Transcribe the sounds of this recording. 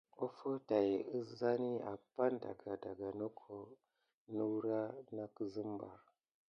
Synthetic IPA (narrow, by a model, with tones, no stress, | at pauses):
o˦fo˦ta˨ji˨ə˦za˦ni˦a̰˨pa˦nda̰˨ɡa˨da˨ɡa˨no˦kʰo˨ | nu˦wɾa˦na˦kə˦zɨ˦mba̰˨ɾ